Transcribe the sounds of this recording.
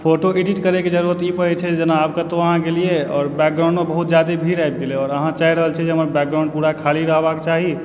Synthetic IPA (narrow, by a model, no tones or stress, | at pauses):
pʰoʈoeɖiʈkəɾɛked͡ʒəɾuɾət̪ipəɾɛt͡ʃʰɛd͡ʒenaab̚kat̪oəɦãkelieɔːɾbɛk̚ɡɾaʊ̃ɳɖmebəɦut̪d͡ʒjad̪ebʱiɾajb̚keleɔːɾəɦãt͡ʃaiɾəɦəlt͡ʃʰɛd͡ʒeɦəməɾbɛk̚ɡɾãʊ̃ɳɖ̚puɾakʰaliɾəɦbaket͡ʃaɦi